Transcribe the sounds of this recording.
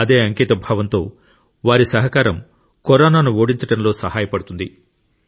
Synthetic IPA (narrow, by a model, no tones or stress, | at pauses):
ɐd̪e̞ːɐŋkiːt̪ɐbʱɐːʋɐnt̪o̞̰ː | ʋaːɾisɐɦɐkaːɾɐm | kɔɾaːnaːnuoːɽint͡ʃɐɽɐmlo̞ːsɐɦaːjɐpɐɽut̪und̪ḭ